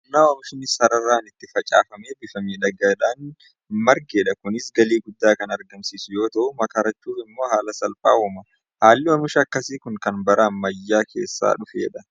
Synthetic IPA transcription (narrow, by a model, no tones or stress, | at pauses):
nːaːwɐmʊʃnɪsɐɾɐrːaːnɪt̪ːɪfɐt͡ʃʼa̰ːfɐmeːbɪfɐmiːᶑɐɡɐᶑaːn | mɐɾɡeːᶑɐkʊnɪsɡɐliːɡʊd̪ːaːkɐnɐɾɡɐmsiːsʊjo̞ːt̪ɐʔʊmɐkaːɾɐt͡ʃːuːfɪmːo̞ːɦaːlɐsɐlpʼa̰ːwɔmɐ | haːlːɪwɐmʊʃɐɐkːɐsiːkʊŋkɐnbɐɾɐːɐjːaːkʰe̞̰ːsːa̰ːᶑʊfḛːᶑɐ